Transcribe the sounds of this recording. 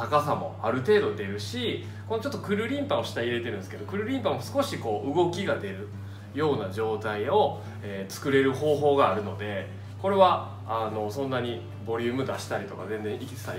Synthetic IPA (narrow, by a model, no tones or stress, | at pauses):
akas̬amo̞̰aɾɯ̟t̪e̞ːd̪o̞d̪e̞ɾɯ̟ɕi | ko̞not͡ɕo̞t̪ːokɯ̟ɾɯ̟ɾʲĩmpaoɕi̥t̪aiɾe̞t̪e̞ɾɯ̟nesked̪o̞kɯ̟ɾɯ̟ɾʲĩmpamo̞sɨ̥ko̞ɕiko̞ːʔɯɡo̞kʲiɡad̪e̞ɾɯ̟ | jo̞ːnaʑo̞ːt̪aio̞ | eːt͡sɨ̥kɯ̟ɾe̞ɾɯ̟ɦo̞ːɦo̞ːɡaːɾɯ̟no̞d̪e̞ | ko̞ɾe̞βa | ano̞sõ̞nːaɲ̟i | bo̞ɾʲɯ̟ːmɯ̟d̪aɕi̥t̪aɾit̪o̞kazẽ̞nd͡zẽ̞ikʲi̥t͡sɨ̥t̪ai